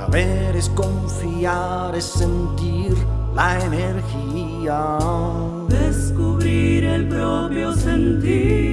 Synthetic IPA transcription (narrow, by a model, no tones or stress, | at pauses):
a̰βeɾeskoɱfia | ɾesent̪iɾlaeneɾxi | a | ðeskuβɾiɾelpɾopɾjosent̪iɾ